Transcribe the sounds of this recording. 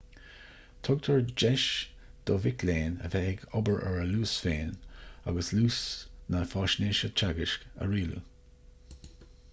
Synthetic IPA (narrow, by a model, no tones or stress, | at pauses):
t̪ʰɔɡt̪ʰəɹd͡ʒɛʃ | d̪̥ɔvɪkleːnə̰vɛɪɡɔbəɹʔɛɹəluːsfeːnaɡəsluːsnəfɑːʃneːʃət͡ʃaɡɪʃkə̰ɹiːlṵ